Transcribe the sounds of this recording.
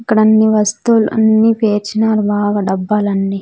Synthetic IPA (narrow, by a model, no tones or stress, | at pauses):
ikːɐɽɐnːiːʋɐst̪uːluɐ̰nːiːpeːt͡ʃinaːɾubaːɡɐɖɐbːaːlɐnːi